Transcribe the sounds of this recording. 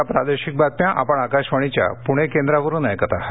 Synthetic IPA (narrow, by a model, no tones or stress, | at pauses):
apɾa̰d̪eɕik̚bat̪̚mjãʔa̰pəɳakaɕʋəɽ̃it͡ɕja̰puɽ̃ekend̪ɾaʋəɾũːnajkət̪aɦ